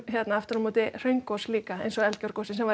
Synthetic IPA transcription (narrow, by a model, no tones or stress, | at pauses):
çjɛt̪naaft̪ʏɾɔmɔːt̪ɪr̥œɥŋkosliːkaḛjnsɔɛlt̪cœɾ̥kosɪnsɛmva